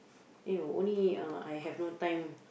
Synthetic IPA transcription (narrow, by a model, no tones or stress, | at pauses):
ɛõ̰nliaa̰jɦɛvnotãjm